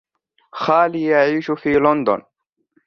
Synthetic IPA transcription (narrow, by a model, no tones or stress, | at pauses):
xaːlijaʕiːʃufiːlɔnd̪ɔ̰n